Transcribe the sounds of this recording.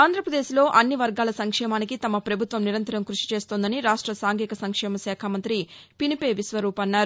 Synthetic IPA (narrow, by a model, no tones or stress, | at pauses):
aːnd̪ʱɾɐpɾɐd̪eːʃilo̞ːʔɐnːiʋɐɾɡaːlɐsɐŋkʂɛːmaːnikit̪ɐmɐpɾɐbʱut̪ʋɐmniɾɐnt̪ɐɾɐmkɾuʂi̥t͡ʃeːst̪oːnd̪ɐniɾaːʂʈɾɐsaːŋɡiːkɐsɐŋkʂɛːmɐsɛːkʰamɐnt̪ɾipinipe̞ːʋisʋɐɾuːpɐnːaːɾu